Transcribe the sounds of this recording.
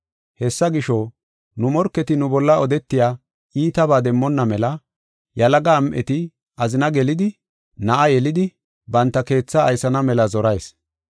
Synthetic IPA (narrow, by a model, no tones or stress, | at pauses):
hɛsːɐɡɪʃɔ | nʊmɔɾkːɛt̪ɪnʊbɔlːɐɔd̪ɛt̪ːɪjaː | iːt̪ɐbaːd̪ɛmːɔnːɐmɛlɐ | jɐlɐɡaːmʔɛ̰t̪ɪ | ʔɐzɪnɐɡɛlɪd̪ɪ | nɐʔɐjɛlɪd̪ɪ | bɐnt̪ːɐke̞ːt͡sːɐːjsɐnɐmɛlɐzɔɾɐjs